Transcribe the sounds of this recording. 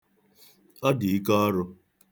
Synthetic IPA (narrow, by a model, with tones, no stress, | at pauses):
ɔ˦di˨i˦kɔ˦ɔ˦ɾʊ˧